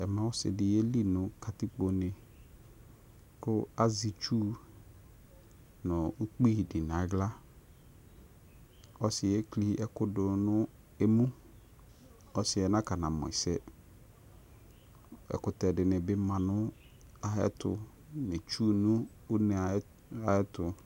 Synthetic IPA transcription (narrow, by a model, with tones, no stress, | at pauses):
ɛ˨mã˦wʊ˦sɪ̰˨dɪ˨jɛ˦li˦nʊ̃˦kʰa˨tɪ˦k͡po˨nɪ̃˨ | kʊ˦a˦zi˨t͡ʃuː˦ | nʊ̃˨ʊ˦k͡pi˦˨dɪ˨n˨ã˨˦ɡla˦ | ɔ˦sɪ˨ɛ˦kli˦ʔɛ˨kʊ˦dʊ˨nʊ̃˦ | e˦mũ˦ | ɔ˦sɪ˨ɛ˨nã˦ka˨nã˨mɔ̰˨sɛ˦ | ɛ̰˨kʊ˨tɛ˨dɪ˨nɪ̃˨bɪ˦mã˨nʊ̃˦ | a˨ɦɛ̰˦tʊ̰˨ | nɪ̃˨t͡ʃuː˦nʊ̃˦ | ʊ˦nɛ̃˨˦ | a˨ɛ˦tʊ˨